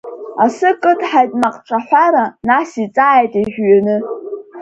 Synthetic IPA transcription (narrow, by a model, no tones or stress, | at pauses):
asɨkʼɨtʰħajtʼmaqʼʈ͡ʂʷʰʼaħʷaɾanasit͡sʼaːjtʼiʒᶣɥanɨ